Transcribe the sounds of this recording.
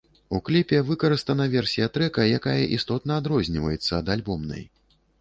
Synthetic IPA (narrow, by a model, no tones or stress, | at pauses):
uklʲipʲɛvɨkɐɾɨst̪ɐnɐvʲɛrsʲijɐt̪ɾɛkɐjakajɐʔist̪ɔt̪nɐːd̪ɾɔzʲnʲivɐ̰jɛt̪sːɐːd̪alʲbɔmnɐ̰j